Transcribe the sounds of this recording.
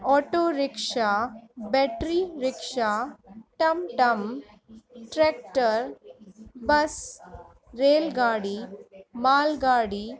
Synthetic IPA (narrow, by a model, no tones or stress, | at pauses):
ɔːʈoːɾɪkʂabɛːʈɾiɾɪkʂaːʈɐmʈɐm | ʈɾeːk̚ʈəɾ | bɐs | ɾeːlɡaːɽimaːlɡaːɽi